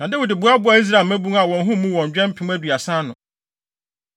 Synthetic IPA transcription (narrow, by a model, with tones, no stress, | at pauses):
nã˨de˦wi˨dɪ˨bʊ˨˦a˦bʊ˦a˨i˦s̬ɾa˨lmæ˦bũ˦ŋa˨wɔ̃˨n˦ɦũ˦mũ˦wɔ̃˨ɲ˨d͡ʑᶣɛ̃˦m̩˦pʰɪ̃˦m˦æ˦dɥa˨sã˦nʊ̃˨